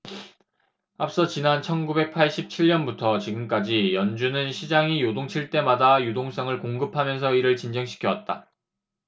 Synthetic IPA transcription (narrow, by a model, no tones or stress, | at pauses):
ap̚s͈ʌt͡ɕinant͡ɕʰʌnɡube̞k̚pʰaɭɕ͈ʰip̚t͡ɕʰiɭɲʌnbutʰʌt͡ɕiɡɯmk͈ad͡ʑijʌnd͡ʑunɯnɕʰid͡ʑaŋijodoŋt͡ɕʰiɭt͈e̞madajudoŋs͈aŋɯɭkoŋɡɯpʰamjʌnsʰʌiɾɯɭt͡ɕind͡ʑʌŋɕʰi̥kʰjʌwat̚t͈a̰